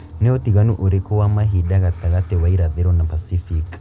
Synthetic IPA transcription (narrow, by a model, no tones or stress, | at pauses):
nɛotiɣanuʔoɾekʰɔwamaɦidaɣataɣatɛwaiɾaðeɾɔnapasifik